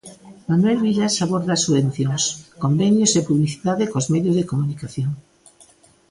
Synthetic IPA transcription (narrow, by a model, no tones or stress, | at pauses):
manuwelβiʎasaβoɾðasuβẽnθjoŋskombenjosepuβliθiðaðekozmeðjozðekomunikaθjoŋ